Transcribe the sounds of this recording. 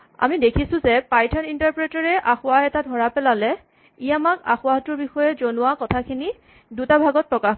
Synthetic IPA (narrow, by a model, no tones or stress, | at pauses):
a̰midekʰisʊ̃zɛpajtʰɔnintaɹpɹɛtɔɹɛʔaxʊaɛtadʱɔɹapɛlalɛ | ijamaka̰xʊatʊɹbixɔjɛzonʊwakɔtʰakʰini | dutabʱaɡɔt̚pɹɔkax